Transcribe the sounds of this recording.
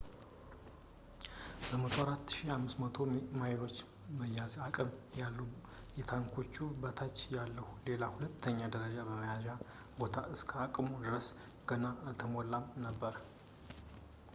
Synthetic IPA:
b̥əmət̪ʰoaɾat̪ːʃihamːɨsmət̪ʰo̞majlo̞t͡ʃː | əjːazakʼɨmjalːu | jɛt̪ʰaŋkʰo̞t͡ʃːubət̪ʰat͡ʃːjalːəhule̞lahulət̪ʰːəɲːad̪əɾəd͡ʒabəməjaʒa | bo̞t̪ʰa̰ʔɨskʰəakʼmud̪ɨɾəs | ɡ̥ənaːlt̪ʰəmɔlːamnəbːəɾ

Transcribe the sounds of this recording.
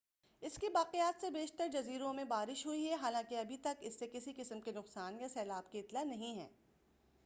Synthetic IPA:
ɪskebaːqejaːt̪sebeːʃt̪əɾd͡ʒɐziːɾõmẽbaːɾɪʃɦuiɦɛɦaːlãːkeɐbʱit̪ɐkɪsːekɪsikɪsəmkenʊqsaːnjasɛːlaːb̚keɪt̪lanɐɦĩɦɛ̰̃ː

